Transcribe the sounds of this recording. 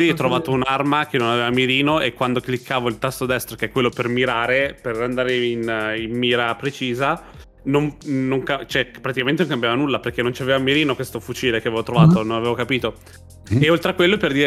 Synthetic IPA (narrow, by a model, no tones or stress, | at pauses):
ɛt̪ːɾovaːt̪ounarmakenːonaveːvamiɾiːnoʔekːwand̪oklikʰːaːvoilt̪ast̪od̪ɛst̪ɾokeɛkːwelːopermiɾaːɾeperand̪aːɾeinimːiːɾapɾet͡ʃiːza | nomnːoŋkat͡ʃoɛpːɾat̪ikament̪enõŋkambjavanulːaperk̟enːont͡ʃiaveːvamiɾiːnokwest̪ofut͡ʃiːlekeavevot̪ɾovaːt̪ononavevokapiːt̪o | eolt̪ɾeakwelːoperd̪iːɾ